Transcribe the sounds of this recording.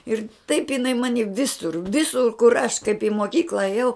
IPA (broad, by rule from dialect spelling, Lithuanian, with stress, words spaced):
ˈɪr tɐɪp ɪˈnɐɪ ˈmɑːnʲɪ ˈʋʲɪsʊr ˈʋʲɪsʊr kʊr ɐʃ kɐɪp ɪ moːˈkʲiːklˠɐ ɐˈjɛʊ